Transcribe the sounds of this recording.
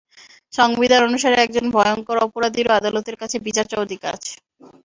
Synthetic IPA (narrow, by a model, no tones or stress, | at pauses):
ʃɔŋbid̪ʱanonuʃaɾeɛk̚d͡ʑonbʱɔjoŋkoɾɔpoɾad̪iɾoad̪alot̪eɾkat͡ɕʰebit͡ɕaɾt͡ɕaod̪ʱika̰t͡ɕʰe̥